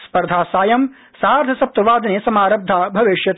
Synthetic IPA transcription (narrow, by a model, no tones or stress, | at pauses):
spɐɾd̪ʱaːsaːjɐm | saːɾd̪ʱʰɐsɐp̚t̪ɐʋaːd̪ɐneːsɐmaːɾɐb̚d̪ʱːaːbʱɐʋeːʃjɐt̪